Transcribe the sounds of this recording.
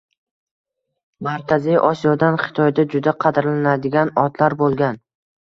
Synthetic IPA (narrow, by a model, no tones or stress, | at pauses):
maɾkʲʰazijʔɒsijɒd̪anχɪ̥t̪ʰɒjd̪ad͡ʒʊd̪aqʰɑd̪ɾlanad̪ɪɡʲanɒt̪laɾbolˠɡʲan